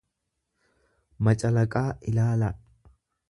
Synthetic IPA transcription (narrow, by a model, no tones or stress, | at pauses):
mɐt͡ʃʼɐlɐkʼaːʔɪlaːlɐʔ